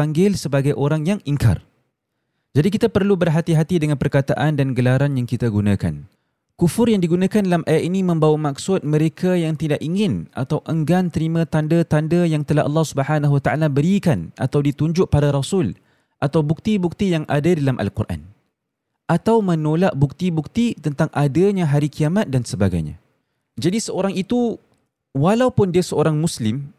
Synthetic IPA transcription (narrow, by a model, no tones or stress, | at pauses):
aŋɡɪlsəbaɡajʔoɾaŋjaŋiŋka̰r | d͡ʒadik̬it̪apərlubərɦat̪iɦat̪idəŋanpərkat̪aʔandanɡəlaɾanjaŋkit̪aɡunãka̰n | kufʊrjaŋdiɡunãkandalamʔajat̪̚inimə̃mbawamak̚sʊt̪̚mə̃ɾekʰajaŋt̪idaʔiŋɪnʔa̰t̪awʔəŋɡant̪əɾimãt̪andət̪andəjaŋt̪əlahʔɑ̰lːɑhsubəhanaɦwat̪aʔalabəɾikanʔat̪awdit̪uɲd͡ʒʊʔ̚padaɾasʊl | ʔat̪awbuk̚t̪ibuk̚t̪ijaŋʔa̰dadalamʔa̰lkṵrʔa̰n | ʔat̪awmə̃nolaʔbuk̚t̪ibuk̚t̪it̪ənt̪aŋʔadəɲãɦaɾikiamat̪̚dansəbaɡa̰jɲã̰ | d͡ʒadisəoɾaŋit̪u | walawpʊndiasəoɾaŋmuslɪm